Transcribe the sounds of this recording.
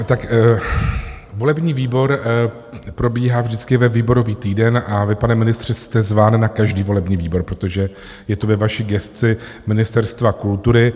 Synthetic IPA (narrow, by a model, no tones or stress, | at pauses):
t̪ak | vo̞lɛbɲiːviːbo̞ɾ | pɾo̞biːɦaːvʒdɪt͡skɪvɛviːbo̞ɾo̞viːt̪iːdɛnʔavɪpanɛmɪnɪst̪r̝̥ɪst̪ɛzvaːnnakaʒdiːvo̞lɛbɲiːviːbo̞ɾpɾot̪o̞ʒɛ | jɛt̪ovɛvaʃiɡɛst̪t͡sɪ | mɪnɪst̪ɛɾst̪vakult̪uɾɪ